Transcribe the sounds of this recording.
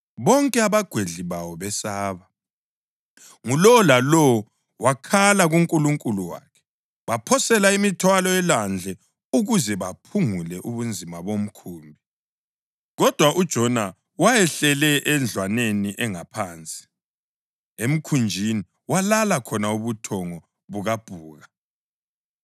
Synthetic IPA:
βɔŋkʼɛaβaɡ̥ʱweɮiβawɔβɛsaːβa | ŋulɔlalɔw | wakʰalaɣuŋkʼuluŋkʼuluwa̰ːkʰɛ̥ | βapʰɔsɛlaimitʰwalɔɛland͡ɮʱɛ | uɣuzɛβapʰuŋulɛʔuβund͡zʱimaβom̩kʰuːmbʱi | ɣɔd̥ʱwaʔud̥ʒ̥ʱɔna | wajɛɬɛlɛʔɛnd͡ɮʱwaneniʔɛŋapʰaːnt͡sʼi̥ | em̩kʰund͡ʒʱini | walalakʰɔnauβutʰɔŋɔ | βuɣab̥ʱuːɣa

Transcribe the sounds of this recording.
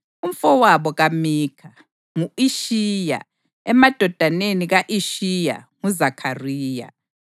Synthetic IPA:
um̩fɔwaβɔɣamiːkʰa | ŋuiʃija̰ | ɛmad̥ʱɔd̥ʱaneniɣaʔiʃija̰ | ŋuzakʰariːja̰

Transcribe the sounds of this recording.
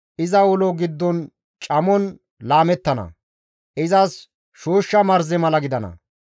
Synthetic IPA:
ʔɪzɐwʊlɔɡɪd̪ːɔn | t͡ʃʼɐmɔn | laːmɛt̪ːɐnɐ̰ | ʔɪzɐs | ʃoːʃːɐmɐɾzɛmɐlɐɡɪd̪ɐnɐ̰

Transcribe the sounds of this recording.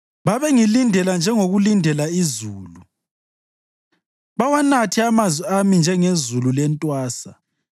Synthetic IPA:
βaβeŋilindʱɛland͡ʒʱɛŋoɣulindʱɛlaizuːlu | βawanatʰiamazwiamind͡ʒʱɛŋezululɛntʼwaːsa

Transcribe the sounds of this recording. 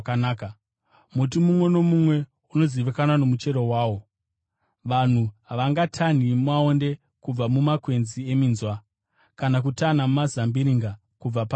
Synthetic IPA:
kanaːka | mut̬imumwe̞no̞mumwe̞ | uno̞ziʋikananomut͡ʃe̞ɾo̞waːwo̞ | ʋan̤uɦaʋaŋɡatʰan̤imwao̞nde̞ | kub͡vamumakwe̞nzie̞minzwa | kanak̬utanamumazambiɾiŋɡa | kub͡vap

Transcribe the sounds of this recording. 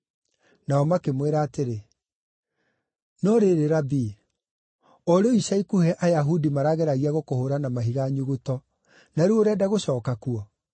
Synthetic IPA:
naɔmakemweɾaːteɾe | nɔɾeɾeɾabiː | ɔɾeɔisaikuhɛʔajaɦudimaɾaɣeɾaɣiaɣokohoɾanamaɦiɣaɲuɣutɔ | naɾuoɾɛdaɣoɕɔːkakuɔ

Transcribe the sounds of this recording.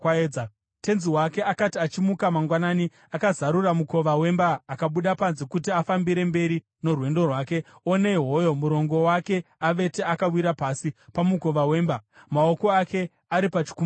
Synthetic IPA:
eːd͡za | te̞nziwake̞akatiat͡ʃimukamaŋɡwanaːni | akazaɾuramuko̞ʋawe̞mbaːkaɓuɗapanzekutiafambiɾe̞mbe̞ɾi | no̞rwe̞ndo̞rwaːke̞one̞iɦo̞jo̞muɾo̞ŋɡo̞wake̞aʋe̞te̞akawiɾapasipamuko̞ʋawe̞ːmbamaoko̞akʰe̞ | aɾipat͡ʃi̥kum

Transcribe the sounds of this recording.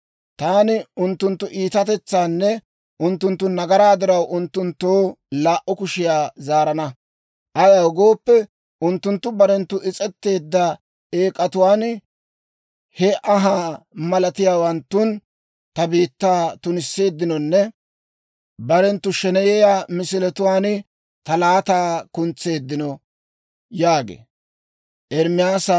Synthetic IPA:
t̪aːnɪʊnt̪ːʊnt̪ːʊʔiːt̪ɐt̪ɛt͡sːaːnːɛ | ʔʊnt̪ːʊnt̪ːʊnɐɡɐɾaːd̪ɪɾɐwʔʊnt̪ːʊnt̪ːoːlaːʔɔkʊʃɪjaːzaːɾɐnɐ | ʔɐjɐwɡo̞ːpːɛ | ʔʊnt̪ːʊnt̪ːʊbɐɾɛnt̪ːʊʔɪt͡sʼɛt̪ːe̞ːd̪ːɐ | eːkʼːɐt̪ʊwaːn | hɛʔɐɦaːmɐlɐt̪ɪjaːwɐnt̪ːʊn | t̪ɐbiːt̪ːaːt̪ʊnɪsːe̞ːd̪ːɪnɔnːɛ | bɐɾɛnt̪ːʊʃɛnɛjɛjaːmɪsɪlɛt̪ʊwaːn | t̪ɐlaːt̪aːkʊnt͡sːe̞ːd̪ːɪnɔ | jaːɡḛː | ʔɛɾmɪjaːsɐ

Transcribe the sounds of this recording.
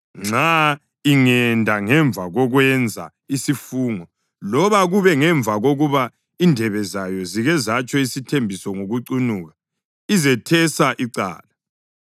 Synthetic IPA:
ŋ͡ǁa | iŋɛndʱaŋɛɱvʱaɣɔɣwɛnd͡zʱa̰ | isifuːŋɔ | lɔβaɣuβɛŋɛɱvʱaɣoɣuβa | indʱɛβɛzajɔziɣɛzat͡ʃʼɔisitʰembʱisɔŋoɣuǀunuːɣa | izɛtʰɛsaʔiǀa̰ːla

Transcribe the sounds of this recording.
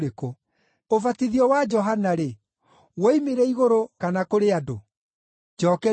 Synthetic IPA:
ɾeko | ovatiðiɔwad͡ʒɔɦanaɾe | wɔimeɾɛiɣoɾokanakoɾeado̰ | d͡ʒɔːkɛ

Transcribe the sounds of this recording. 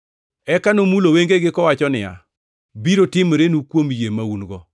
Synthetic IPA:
ɛkanomuloweŋɡeɡɪkɔwat͡ʃɔnɪ̰ja̰ | biɾotɪmɾenukwomjemaunɡɔ

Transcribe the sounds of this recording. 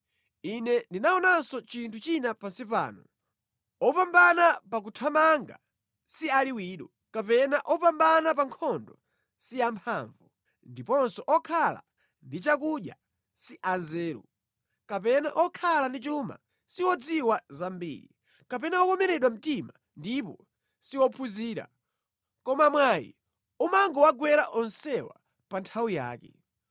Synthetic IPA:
inɛndinaɔnansɔt͡ʃintʰut͡ʃinapasipa̰ːnɔ | ɔpambanapak̬utʰamaŋɡa̰ | sialiwiːɗɔ | kapɛnaʔɔpambanap̬aŋkʰɔndɔ | siampʰa̰ːɱvu | ndipɔnsɔʔɔkʰala̰ | ndit͡ʃak̬uɗja̰ | siʔanzɛːɾṵ | kapɛna̰ʔɔkʰalandit͡ʃuma̰ | siwɔd͡ziwazambḭːɾḭ | kapɛnaɔkɔmɛɾɛɗwam̩tima | ndipɔ | siwɔpʰuziːɾa̰ | kɔmamwajḭ | umaŋɡɔwaɡwɛɾaʔɔnsɛwa̰ | pantʰawuja̰ːkɛ̰

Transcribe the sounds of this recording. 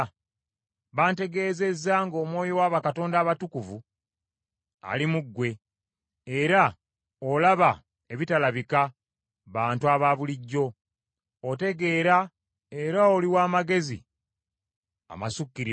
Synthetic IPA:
βaːnte̞ɡe̞ːze̞zːaːŋɡo̞ːmwo̞ːjo̞waːβakato̞ːndaːβatukuvu | a̰limuɡːwe̞ | eɾa | olaβa | e̞βitalaβika | βaːntuaβaːβuliɟːo̞ː | te̞ɡe̞ːɾa | e̞ɾao̞liwaːmaɡe̞zḭ | a̰masukːiɾi

